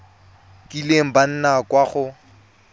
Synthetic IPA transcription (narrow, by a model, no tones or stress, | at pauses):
kʼileŋ̩ban̩nakʼwaχʊ